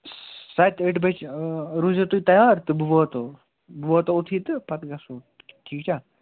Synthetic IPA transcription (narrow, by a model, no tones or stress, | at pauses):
sɐt̪eʈbɐt͡ʃɾuzɐt̪ujt̪ɐjaːɾt̪ɨbuʋoːt̪o | bʋot̪out̪ʰiːt̪ɨpɐt̪ɡɐsu | ʈʰiːkt͡ʃʰa